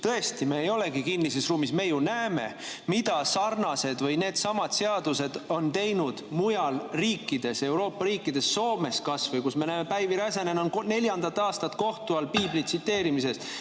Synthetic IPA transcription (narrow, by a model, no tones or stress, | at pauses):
t̪ɤe̞st̪ime̞ːjo̞le̞ɡikinːise̞sruːmisme̞junæeme̞̰ | mid̪̥ɑsɑrnɑse̞d̪̥vɤjne̞ːd̪̥sɑmɑd̪̥se̞ɑd̪use̞d̪̥o̞nt̪e̞jnud̪̥mujɑlriːkːˑid̪e̞se̞wɾo̞ːpːɑɾiːkːˑid̪̥e̞sːo̞ːme̞skɑsvɯjkusme̞næːme̞pæjviɾɑse̞nenonne̞lʲjɑnd̪ɑt̪ːɑːst̪ɑt̪ko̞ht̪uɑlpiːblit̪sit̪ːe̞ːɾimise̞st̪